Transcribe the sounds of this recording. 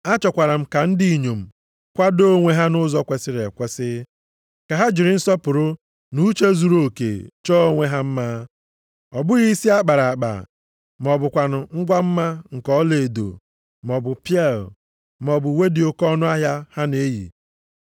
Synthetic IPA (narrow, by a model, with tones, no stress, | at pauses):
a˦t͡ʃɔ˨kʷa˨ɾa˨m̩˦ka˨n̩˦di˦˨ɲo˨m̩˨ | kʷa˦do˦ŋʷe˦ɦa˦nʊ˦zɔ˦kʷe˨sɪ˦ɾe˨kʷe˦sɪ˦ | ka˨ɦa˦d͡ʒɪ˨ɾɪ˨n̩˦sɔ˦pʊ˨ɾʊ˦ | nu˦t͡ʃe˦zu˨ɾo˦˨kḛ˨t͡ʃɔ˦o˦ŋʷe˦ɦa˦m̩˦ma˦ | ɔ˨bʊ˦ɣi˦si˦a˦k͡pa˨ɾa˨k͡pa̰˨ | m˨ɔ˨bʊ˨kʷa˨nʊ˨ŋ̩˦ɡʷa˦m̩˦ma˦ŋ̩˨kɔ˦le˨do̰˨ | m˨ɔ˨bʊ˨pi˦ɛ˦˨l | m˨ɔ˨bʊ˨we˦di˨o˦kɔ˦nʊ˦a˦ɦja˦ha˦ne˦jḭ˨